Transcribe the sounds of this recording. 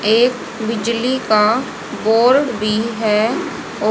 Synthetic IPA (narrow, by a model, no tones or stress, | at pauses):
eːk | bɪd͡ʒlika | boːɾɖbʱiɦɛː | ɔː